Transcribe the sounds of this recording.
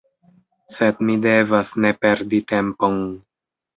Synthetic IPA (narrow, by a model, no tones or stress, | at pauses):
sed̪mide̞vasnepe̞ɾdit̪e̞mpon